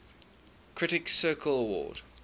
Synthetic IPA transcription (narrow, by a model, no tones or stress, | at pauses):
kʰɹ̥ɪɾɪksɜːˑkʰələwɔ̰ːd̥